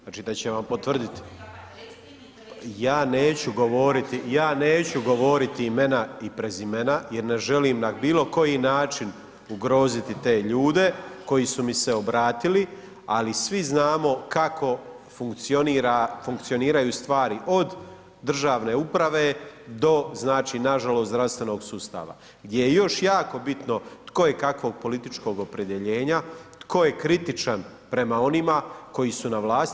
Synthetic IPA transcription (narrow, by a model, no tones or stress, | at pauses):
aːt͡ʃiːd̪at͡ɕeʋampo̞t̪ʋr̩d̪it̪i̥ | jaːneːt͡ɕuɡo̞ʋo̞ːɾit̪ijaːne̞ːt͡ɕuɡo̞ʋo̞ːɾit̪iime̞naipɾezimenajeɾne̞ʒe̞liːmnabiːlˠo̞ko̞jinaːt͡ʃin | uɡɾo̞ːzit̪it̪e̞ːʎuːd̪e̞ko̞jisumise̞o̞bɾaːt̪ili | alisʋiznaːmo̞kako̞ | fuŋkt̪sioniɾafuŋk̚t̪sio̞niːɾajuːst̪ʋaːɾiʔo̞d̪ | d̪r̩ʒaːʋne̞upɾaʋe̞ːd̪o̞znaːt͡ʃiːnaʒalˠosɾast̪ʋe̞no̞ɡsust̪a̰ːʋa̰ | ɡd̪je̞jejo̞ʃjaːko̞bit̪no̞t̪ko̞je̞kakʋo̞ɡ̚po̞lit̪it͡ʃko̞ɡo̞pɾe̞d̪je̞ʎe̞ːɲat̪kʰo̞je̞kɾit̪it͡ʃan | pɾe̞mao̞nimako̞jisunaʋlˠaːst̪